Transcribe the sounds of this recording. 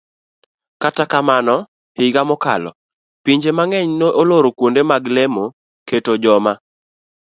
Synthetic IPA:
katakamanɔ | hɪɡamɔka̰lɔ̰ | piɲd͡ʒemaŋɛɲnoʔoloɾokwondemaɡlemo | ketod͡ʒɔma

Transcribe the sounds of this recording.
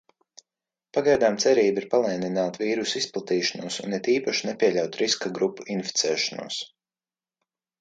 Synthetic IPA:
paɡajd̪aːmt̪sɛɾiːbiɾpalˠɛjninaːt̪viːɾusisplˠat̪iːʃanuɔsṵnit̪iːpaʃinɛpʲiɛʎʲawt̪ɾiskaɡɾupːuinfi̥t̪sɛːʃanṵɔːs

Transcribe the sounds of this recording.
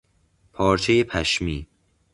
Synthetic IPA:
pʰɒːɾt͡ʃʰejepʰæʃmiː

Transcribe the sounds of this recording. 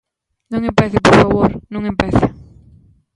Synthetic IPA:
nõŋempɛθɪpoɾfaβoɾnõŋempɛθɪ

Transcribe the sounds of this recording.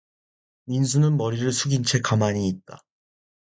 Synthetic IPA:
minsʰunɯnmʌɾiɾɯɭsʰuɡint͡ɕʰe̞kamaɲiːt̚t͈a

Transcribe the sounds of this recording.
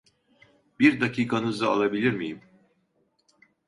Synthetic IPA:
biɾd̪acʰiːkʰanɯzɯa̰lˠabilʲiɾmijim

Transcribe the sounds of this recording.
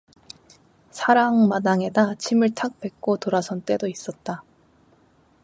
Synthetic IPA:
sʰaɾaŋmadaŋe̞dat͡ɕʰimɯɭtʰak̚p͈e̞k̚k͈otoɾasʰʌnt͈e̞dois͈ʌt̚t͈a

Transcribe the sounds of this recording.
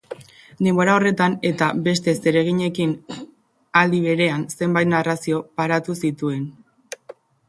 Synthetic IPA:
nemoɾao̞re̞t̪ane̞t̪abe̞s̬t̪e̞se̞ɾe̞ɣ̞iɲe̞kin | ald̪iβ̞e̞ɾe̞anse̞mbajt̪narasio̞paɾat̪usit̪ue̞n

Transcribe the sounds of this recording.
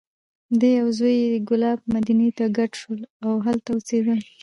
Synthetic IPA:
d̪əjawzojeəɡʊlɑb̚mad̪inet̪aɡaʈʃəlawɦalt̪aut͡sed̪əl

